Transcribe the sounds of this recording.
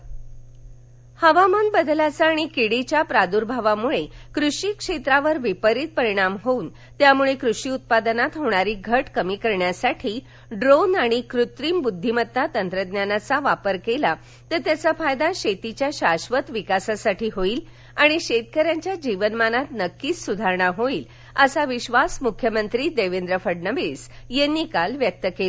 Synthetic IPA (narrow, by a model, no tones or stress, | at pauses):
həʋamanbəd̪lat͡saːɽ̃ikiɽit͡ɕjapɾad̪uɾbʱaʋamuɭekɾuʂikʂet̪ɾaʋəɾʋipəɾit̪̚pəɾiɽ̃amɦoun | t̪jamuɭekɾuʂiːut̪̚pad̪nat̪ɦoɽ̃aɾiːɡʱəʈkəmiːkəɾɳjasaʈʰiː | ɖɾonaɽ̃ikɾut̪ɾiːmbud̪ʱːimət̪ːat̪ənt̪ɾəd̪njanat͡saʋapəɾkela | t̪ət̪jat͡safajd̪aɕet̪it͡ɕjaɕaɕʋət̪ʋikasasaʈiːɦoiːl | aɽ̃iɕet̪̚kəɾjaɲt͡ɕjad͡ʑiʋənmanat̪nəkːiːsud̪ʱaɾɳaɦoiːl | əsaʋiɕʋasmukʰjəmənt̪ɾiːd̪eʋend̪ɾəfəɖnəʋes | jenːikalʋjək̚t̪əkel